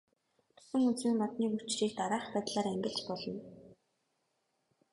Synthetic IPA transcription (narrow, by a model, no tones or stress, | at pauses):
pʊ̥sɘ̆ŋut͡siːŋmɔt̪niːkut͡ɕriːkt̪aɾaːχpæːt̪ɮaːɾæŋɡʲɪ̆ɬt͡ɕpɔɮɞ̆n